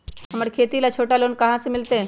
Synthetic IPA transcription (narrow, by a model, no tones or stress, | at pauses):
ɦɐməɾekʰeːt̪ilat͡ʃʰoːʈaloːnkɐɦãsemɪlt̪eɦɛ̃